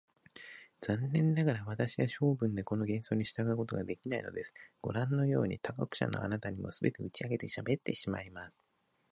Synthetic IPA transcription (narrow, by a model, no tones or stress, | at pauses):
z̥ãnːẽ̞nːaɡaɾaβat̪aɕiβaɕo̞ːbɯ̟̃nd̪e̞ko̞no̞ɡẽ̞ɰ̃so̞ːɲ̟iɕi̥t̪aɡaɯkot̪o̞ɡad̪e̞kʲinaino̞̰d̪e̞sɨ̥ɡ̥o̞̰ɾãnːo̞jo̞ːɲ̟ḭt̪akakɯ̥ɕa̰no̞̰a̰nat̪aɲ̟imo̞̰sɨbe̞t̪e̞ɯt͡ɕiaɡe̞t̪e̞ɕabe̞t̪ːe̞ɕima̰imasɨ̥